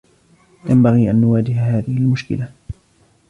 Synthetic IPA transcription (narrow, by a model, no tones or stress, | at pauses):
jambaɣiːʔanːʊwaːd͡ʒɪhaɦaːðɪhɪlmʊʃkɪ̰la